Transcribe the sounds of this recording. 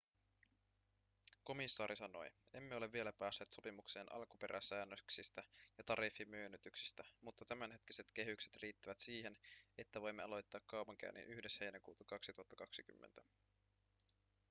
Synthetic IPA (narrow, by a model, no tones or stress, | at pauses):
ko̞misːɑːɾisɑno̞̰je̞mːe̞o̞le̞vːie̞læpæːsːe̞ːt̪so̞pimukse̞ːnʔɑ̰lkupe̞ɾʔæsæːnːøksist̪æjɑt̪ɑɾifːimøːnyt̪yksi̥st̪æmut̪ːɑt̪æmænhe̞t̪ki̥se̞t̪k̟e̞ɦykse̞t̪riːt̪ːiʋæt̪siːɦe̞net̪ːæʋo̞jmːe̞ɑ̰lo̞jt̪ːɑːkːɑwpɑŋk̟æ̰ːnːḭnʔyhde̞she̞jnækṵːt̪ɑkɑksit̪uhɑt̪ːɑkɑksiky̰mːent̪æ̥